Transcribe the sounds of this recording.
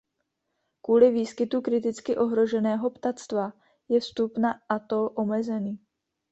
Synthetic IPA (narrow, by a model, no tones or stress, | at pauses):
kuːlɪviːskɪt̪ukɾɪt̪ɪt͡skɪʔo̞ɦɾo̞ʒɛnɛːɦo̞pt̪at͡st̪va | jɛfst̪upnaʔat̪o̞ʔo̞mɛzɛniː